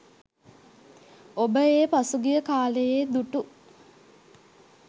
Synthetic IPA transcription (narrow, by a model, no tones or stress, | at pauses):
obəeːpasuɡijəkaːlejeːd̪uʈu